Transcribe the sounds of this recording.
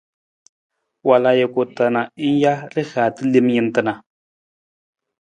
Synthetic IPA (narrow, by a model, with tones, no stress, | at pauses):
wa˨la˨je˨ko˨ta˨na˨˦n̩˦ja˦ɾɪ˦haː˨tɨ˦li˦m˦ji˨n˦tɨ˨na˨